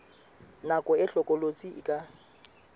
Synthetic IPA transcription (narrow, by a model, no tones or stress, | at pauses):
nakʼɔɪɬɔkʼɔlot͡sʼiɪ̰kʼa